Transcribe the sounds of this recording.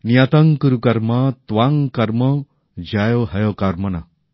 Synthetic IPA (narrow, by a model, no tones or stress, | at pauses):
njat̪ãŋkəɾukɐɾmat̪ʋaŋkɐɾmə | d͡ʑajɔɦɐjɔkaɾmɐna